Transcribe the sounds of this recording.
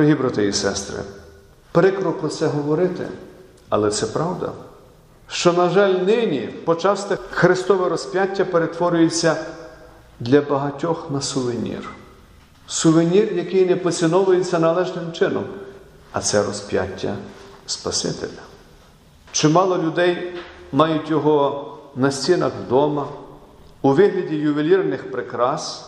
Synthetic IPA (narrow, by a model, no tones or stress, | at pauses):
ɔɦʲibɾat̪ɪisɛst̪ɾɪ̰ | pɾɪkɾɔklˠɔsɛɦɔʋɔɾɪt̪ɪ̰ | ɐ̰lˠɛt̪sɛpɾɑwd̪ɐ̰ | ʃt͡ʃɔnɐʒɑlʲnɪnʲipɔt͡ʃɑst̪ɛxɾɪst̪ɔʋɛɾɔspʲjatʲːɐpeɾet̪ʋɔɾʲʊjet͡sʲːɐ | d̪lʲɐbɐɦɐtʲɔxnɐsʊʋenʲḭr | sʊʋenʲirjɐkɪjnɛpɔt͡sʲinɔʋʊjet͡sʲːɐnɐlˠɛʒnɪmt͡ʃɪnɔm | ɐ̰t̪sɛɾɔspʲja̰tʲːɐ̰spɐsɪ̰t̪elʲɐ | t͡ʃɪmɑlˠɔlʲʊd̪ɛjmɑjʊtʲjɔɦɔnɐsʲt͡sʲinɐxd̪ɔmɐ | uʋɪɦlʲɐdʲijʊʋʲilʲirnɪxpɾɪkɾɑs